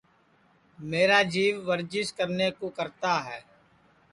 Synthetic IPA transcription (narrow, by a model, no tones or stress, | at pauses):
meːɾaːd͡ʒiːʋʋəɾd͡ʒɪskəɾneːkoːkəɾt̪aːɦɛː